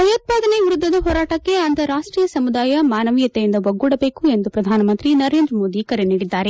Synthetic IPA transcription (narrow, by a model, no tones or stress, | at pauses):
ɦɐjoːt̪̚paːd̪ɐneʋiɾud̪ʱːɐd̪ɐɦoːɾaːʈɐkːe̞ɐnt̪ɐɾaːʂʈɾiːjɐsɐmud̪aːjɐmaːnɐʋijɐt̪ejind̪ɐʋɐɡːuːɽɐbe̞ːkue̞nd̪upɾɐd̪ʱaːnɐmɐnt̪ɾinɐɾeːnd̪ɾɐmo̞ːd̪ikɐɾeniːɽid̪ːaːɾe̞